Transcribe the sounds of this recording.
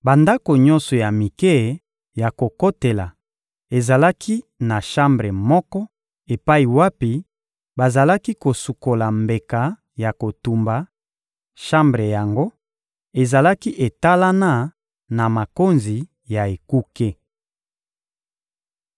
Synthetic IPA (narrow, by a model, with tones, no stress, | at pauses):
ba˨nda˦ko˨ɲɔ˦nsɔ˨ja˨mi˨ke˦˨ | ja˨ko˨ko˦te˨la˨ | e˨za˨la˦kʰi˦na˨ʃa˦mbʁe˨mɔ˦kɔ˦ | e˨pa˦i˨wa˦pi˨˦ | ba˨za˨la˦ki˦ko˨su˨ko˨la˨mbe˨ka˨ | ja˨ko˨tu˨mba˨ | ʃa˦mbʁe˨ja˨ŋɡo˦ | e˨za˨la˦ki˦ʔe˨ta˦la˦na˦˨ | na˨ma˨ko˦nzi˨ | ja˨e˨ku˦ke˦